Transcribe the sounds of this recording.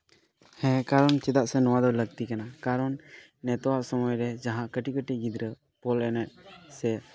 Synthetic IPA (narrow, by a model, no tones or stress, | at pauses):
hɛ̃kaɾɔnt͡ʃɛd̪aʔsɛnɔwad̪ɔləɡ̚t̪ikanakaɾɔnː | ɛt̪ɔwaʔsɔmɔjɾɛd͡ʒaɦãʔkəʈikəʈiɡid̪ɾə | pɔlɛnɛʔ̪̚sɛ